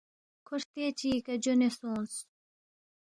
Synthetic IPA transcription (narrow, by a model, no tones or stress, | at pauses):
kʰuɾt̪eːt͡ɕiːkɐd͡ʑonesoːns